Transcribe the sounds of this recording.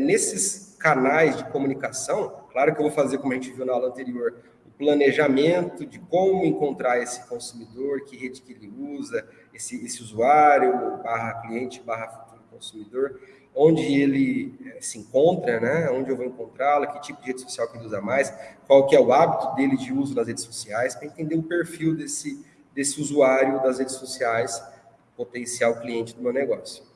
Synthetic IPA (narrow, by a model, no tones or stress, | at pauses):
nesɪskanajzd͡ʒɪkomũnikasɐ̃w̃klaɾʊkɪewvowfazeɾkomʊɐʒẽnt͡ʃɪviwnaɔlɐ̃nt̪eɾioɾ | ʊplɐneʒamẽnt̪ʊd͡ʒɪkõmʊẽŋkõnt̪ɾaɾesɪ̥kõsumid̪oɾkɪɦed͡ʒɪkɪelɪuzɐ | esɪesɪuzuaɾjʊbaɦɐkliẽt͡ʃɪ̥baɦɐfu̥t̪uɾʊkõsumid̪oɾ | õd͡ʒɪelɪɛsɪẽŋkõnt̪ɾɐnɛõd͡ʒɪewvoẽŋkõnt̪ɾalɐkɪt͡ʃipʊd͡ʒɪhed͡ʒɪso̥siawkelɪuzɐmajskwawkɪɛʊabit̪ʊd̪elɪd͡ʒɪuzʊd̪ɐsɦed͡ʒɪsosiajspɾɐẽt̪ẽnd̪eɾʊpeɾfiwd̪esɪ | d̪esɪuzuaɾjʊd̪ɐsɦed͡ʒɪsosiajs | pot̪ẽsiawkliẽnt͡ʃɪd̪ʊmewneɡɔsjʊ̥